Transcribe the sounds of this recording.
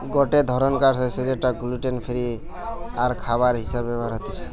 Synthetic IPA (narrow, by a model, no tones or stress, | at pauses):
ɡoʈed̪ʱɔɾənkaɾsɔsed͡ʒeʈaɡuluʈenpʰiɾi | aɾkʰaβaɾɦisabebaɾɦot̪it͡ʃʰ